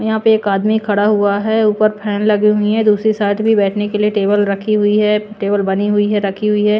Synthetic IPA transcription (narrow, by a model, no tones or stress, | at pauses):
jɐɦãːpeeːkaːd̪mikʰɐɽaɦuaɦɛːuːpəɾpʰɛːnlɐɡiɦʊiɦɛ̃d̪uːsɾisaːɪʈbʱibɛːʈʰnekelieʈeːbəlɾɐkʰiɦʊiɦɛːʈeːbəlbɐniɦʊiɦɛɾɐkʰiɦʊiɦɛː